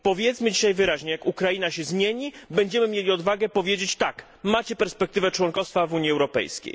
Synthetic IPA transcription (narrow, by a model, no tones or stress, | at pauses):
pɔvʲjɛt̪smɘd͡ʑiɕajvɘɾaʑɲɛjakukɾainaɕɛzmʲjeɲibɛɲd͡ʑɛmɘmʲjelʲiɔd̪vaɡɛpɔvʲjed͡ʑet͡ɕt̪ak | mat͡ɕɛpɛɾspɛk̚t̪ɘvɛt͡ʂwɔŋkɔfst̪favuɲjiɛwɾɔpɛ̰jskʲḛj